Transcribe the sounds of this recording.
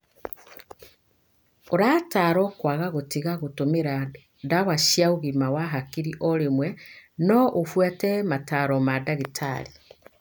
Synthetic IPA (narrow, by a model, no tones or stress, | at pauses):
oɾataɾɔkwaɣaɣotiɣaɣotomeɾa | daɣwaɕjaoɣimawaɦakiɾiʔɔɾemwɛnɔʔofwatɛmataɾɔmadaɣetʰa̰ɾi